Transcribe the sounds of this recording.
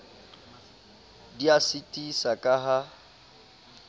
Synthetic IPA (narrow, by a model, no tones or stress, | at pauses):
diasitʼisakʼaɦa